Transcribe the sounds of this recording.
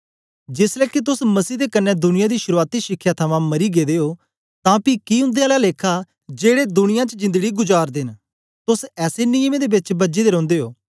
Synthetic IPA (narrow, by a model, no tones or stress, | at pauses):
d͡ʒɪslɛːkɪt̪̬ʊsməsiːd̪eːkənːɛ̃ːd̪ʊnɪjãːd̪iːʃʊɾuaːt̪iːʃɪkʰːjaːt̪ʰəmãːməɾiːɡeːd̪eːoː | t̪ãːpiːkiːɦʊ̃nd̪eaːlaːleːkʰaː | d͡ʒeːɽeːd̪ʊnɪjãːt͡ʃəd͡ʒɪ̃nd̪əɡiːɡʊd͡ʒaːɾd̪ɪn | t̪ʊsɛːseːnɪjəmeːd̪eːbɪt͡ʃbəd͡ʒeːd̪eːɾɔ̃ːnd̪eːɦoː